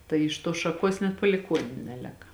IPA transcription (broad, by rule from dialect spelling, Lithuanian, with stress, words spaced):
tɐɪ ɪʃ ˈtuɔs ʃɐˈkuɔs nʲɛt pɐlʲɪˈkuɔnʲʊ ˈnʲæːlʲeːkɐ